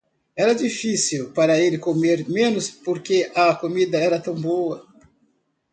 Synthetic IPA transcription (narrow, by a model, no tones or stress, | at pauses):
ɛɾɐd͡ʒifisiwpaɾɐelɪkomeɾmẽnʊspoɾkeʔɐkomid̪ɐɛɾɐt̪ɐ̃w̃boɐ